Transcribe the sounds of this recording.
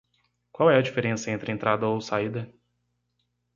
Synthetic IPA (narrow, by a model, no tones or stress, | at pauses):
kwawɛɐd͡ʒifeɾẽsɐẽnt̪ɾɪẽnt̪ɾad̪ɐowsaid̪ɐ